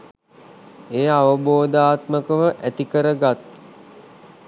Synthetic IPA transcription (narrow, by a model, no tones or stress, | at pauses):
eːaʋəboːd̪aːt̪məkəʋəʔæt̪ikəɾəɡat̪